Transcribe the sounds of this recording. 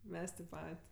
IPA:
ˈmʲɛs tʲeːp ˈpɐtʲ

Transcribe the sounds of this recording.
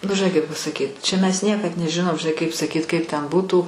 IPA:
nʊ ʒʲɪˈnɐɪ kɐɪp pɐsɐˈkʲiːt t͡ʃʲɛ mʲɛs ˈnʲiɛkɐt nʲɛˈʒʲɪnoːm ʒʲɪˈnɐɪ kɐɪp sɐˈkʲiːt ˈkɐɪp tʲɛn ˈbuːtuː

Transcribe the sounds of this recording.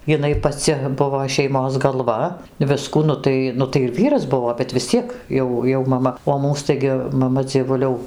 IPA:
jɪˈnɐɪ pɐˈt͡sʲɪ ˈbʊʋoː ʃʲɛɪˈmoːs ɡɐlˠˈʋɐ ˈʋʲɪskuː ˈnʊ tɐɪ ˈnʊ tɐɪ ɪr ˈʋʲiːrɐs ˈbʊʋoː bʲɛt ʋʲɪs ˈt͡sʲiɛk ˈjɛʊ jɛʊ mɐˈmɐ oː ˈmuːs ˈtɐɪɡʲɪ mɐˈmɐ d͡zʲiɛˈʋʊlʲɛʊ

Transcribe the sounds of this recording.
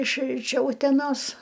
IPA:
ɪʃ ɪʃ ˈt͡ʃʲɛ ʊtʲɛˈnoːs

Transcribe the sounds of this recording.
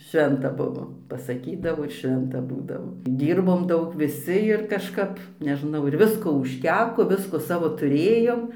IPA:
ˈʃʲʋʲɛntɐ ˈbʊʋoː pɐsɐˈkʲiːdɐʋoː ɪr ˈʃʲʋʲɛntɐ ˈbuːdɐʋoː ˈdʲiːrboːm ˈdɐʊk ʋʲɪˈsʲɪ ɪr kɐʃˈkɐp nʲɛˈʒnɐʊ ɪr ˈʋʲɪskoː ʊʃʲˈtʲæːkoː ˈʋʲɪskoː ˈsɑːʋoː tʊˈrʲeːjoːm

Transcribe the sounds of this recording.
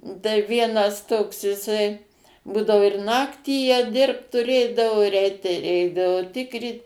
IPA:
tɐɪˈʋʲiɛnɐs ˈtoːks jɪˈsɐɪ ˈbuːdɐʋoː ɪr ˈnɑːktʲiː jiɛ ˈdʲɪrpt tʊˈrʲeːdɐʋoː ɪr ˈɛɪt tɐɪ ˈɛɪdɐʋoː ˈtʲɪkrʲiːt

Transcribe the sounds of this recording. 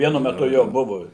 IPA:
ˈʋʲiɛnʊ mʲɛˈtʊ ˈjoː ˈbʊʋʊ

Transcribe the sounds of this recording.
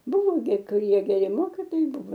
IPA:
ˈbʊʋoː ɡʲɪ kʊˈrʲiɛ ɡʲɛˈrʲɪ ˈmoːkʲiːtoːjɛɪ ˈbʊʋoː

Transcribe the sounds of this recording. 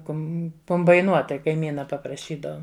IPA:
ˈkʊm kʊmbɐɪˈnuɔt tɐɪ kɐɪˈmʲiːnɐ pɐprɐˈʃʲiːdɐʊm

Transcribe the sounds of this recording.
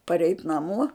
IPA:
pɐˈrʲɛɪt nɐˈmoː

